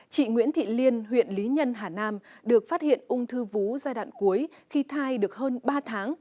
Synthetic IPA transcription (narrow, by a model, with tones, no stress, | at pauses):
t͡ɕḭ˧˨ŋwḭ˧˥ənt̪ʰḭ˧˨li˧ənɦwḭ˧˨ənli˨˦ɲə˧nɦaː˨˩naː˧mɗɨ˨˩ək̚faː˦˥t̚hḭ˧˨ənʔʊ˧ŋ͡mt̪ʰɨ˧vu˨˦zaː˧jɗwa̰ː˧˨nku˨˦əj | xi˧t̪ʰaː˧jɗɨ˨˩ək̚ɦəː˧nɓaː˧t̪ʰaː˨˦ŋ